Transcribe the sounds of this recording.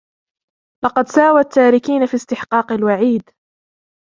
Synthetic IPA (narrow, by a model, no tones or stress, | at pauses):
lɑqɑd̪saːwat̪ʰːaːɾɪkiːnafist̪ɪħqɑːqɪlwaʕiːd̪